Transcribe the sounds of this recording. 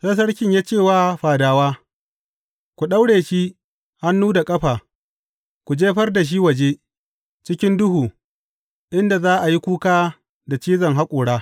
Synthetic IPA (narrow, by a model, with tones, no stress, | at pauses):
sɐ˦s̬ɐ˦ɽkʲɪ˦ɲjaː˦t͡ʃeː˦˨waː˦ɸaː˨daː˨waː˦ | kʷu˨ɗa˦wɽeː˨ʃi˦ | ha˦nːuː˦da˨kʼɐ˦ɸaː˨ | kʷu˨d͡ʒeː˦ɸɐ˦rda˨ʃ̬i˦wɐ˨d͡ʒeː˦ | t͡ʃɪ˦kʲɪ˦ndʊ˦huː˨ | ʔɪ˦nda˨zaː˦ʔa˨ji˦kʷuː˦kaː˦ | da˨t͡ʃiː˦zɐ˨ŋɦa˦kʷʼʊː˨ɽaː˦